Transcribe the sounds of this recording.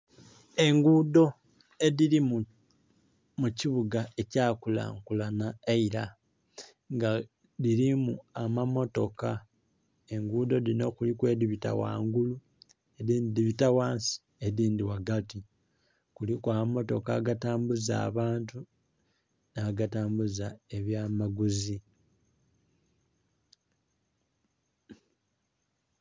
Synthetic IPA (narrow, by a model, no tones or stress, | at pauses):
e̞ŋɡuːdo̞ | e̞ðiɾimu | muciβuɡae̞caːkula̰ːŋkulanaeiɾa | ŋɡa | ðiɾimuamamo̞to̞ka | e̞ŋɡuːdo̞dino̞kulikwe̞ːdiβita̰wa̰ːŋɡulu | eðiːndiβitawaːnsi̥ | eðiːndiwaɡati | kulikwaːmamo̞to̞kaːɡataːmbuza̰ːβaːntu | naːɡataːmbuzae̞βjaːmaɡuzi